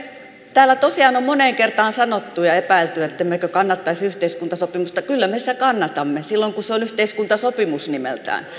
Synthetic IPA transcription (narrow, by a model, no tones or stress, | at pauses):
t̪æːlːˑæt̪osiɑːnommoneːŋkert̪ɑːnsɑnot̪ːujɑepæilt̪yet̪ːemːekøkɑnːɑt̪ːɑisiyht̪eiskunt̪ɑsopimust̪ɑkylːæmesi̥t̪ækɑnːɑt̪ɑmːesilːoŋkuseonyht̪eiskunt̪ɑsopimusnimḛlt̪æ̰ːn